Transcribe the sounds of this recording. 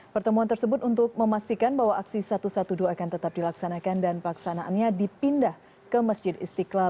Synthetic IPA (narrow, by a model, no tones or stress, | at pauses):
pərt̪əmuant̪ərsəbʊt̪unt̪ʊtk̚məmast̪ikanbaɦwaʔaksisat̪usat̪uduaːkant̪ət̪ap̚dilaksanakandanpəlaksanaʔanɲadipindah | kəmasd͡ʒɪd̪ḭst̪ikla